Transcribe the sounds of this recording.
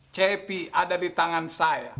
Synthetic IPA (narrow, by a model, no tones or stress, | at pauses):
t͡ʃɛpiadadit̪aŋansaja̰